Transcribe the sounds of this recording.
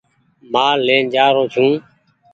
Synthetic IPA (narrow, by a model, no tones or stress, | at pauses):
maːleːnd͡ʒaːɾoːt͡ʃʰũː